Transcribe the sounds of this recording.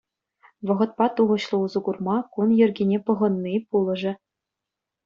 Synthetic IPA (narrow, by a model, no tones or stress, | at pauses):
ʋɤ̆ʁɤ̆t̪̚pɑt̪uʁɤ̆ɕlˠɤ̆uzɤ̆ɡurmɑkunjɘ̆rʲɡʲenʲepɤ̆ʁɤ̆nːipulˠɤ̆ʐɘ̆